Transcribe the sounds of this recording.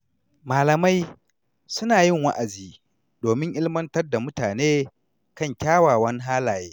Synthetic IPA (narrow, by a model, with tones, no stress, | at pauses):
maː˨lɐ˨ma˦j | sʊ˦naː˨jɪ˦˨ŋwa̰˦ʔa˨ziː˨ | doː˨mɪ˦ŋʔɪ˦lmɐ˦ntɐ˦rda˨mʊ˦taː˨neː˦ | kɐ˦˨ŋkʲaː˦waː˨wɐ˦n˦ɦaː˦laː˨jeː˦